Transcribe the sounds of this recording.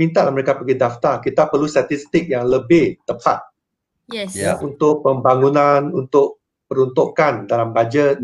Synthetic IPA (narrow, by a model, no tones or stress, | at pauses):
mint̪aʔlahməɾekapəɡidaft̪akit̪apərlust̪at̪ist̪ɪk̚jaŋləbɪht̪əpa̰t̪̚ | ja̰ʔunt̪ʊk̚pəmbaŋunanunt̪ʊʔ̚ | pəɾunt̪ukandalambad͡ʒət̪̚